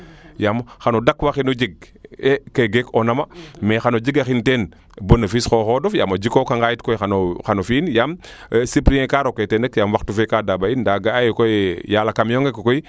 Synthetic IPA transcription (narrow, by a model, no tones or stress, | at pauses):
jamxanodakwaxinud͡ʒiɡ̚ | ekeɡekonamamexanod͡ʒiɡaxinten | bonafisxoxodofja̰mod͡ʒikokaŋɡajitkojxanoxanofinjamsipɾijẽkaɾoketenəkjamwaktufekadabaindaɡaajkojjalakamjoŋɡekkoi